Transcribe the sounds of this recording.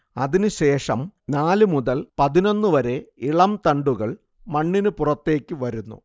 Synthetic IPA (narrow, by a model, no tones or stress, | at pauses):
ɐ̰ðinɨɕe̞ːʂɐmnaːlɨmuðɐlpɐðino̞nːɨʋɐɾe̞iɭɐmt̪ɐɳɖuɣɐɭ | mɐɳːinɨpurɐt̪ːe̞ːkʲːɨʋɐɾunːṵ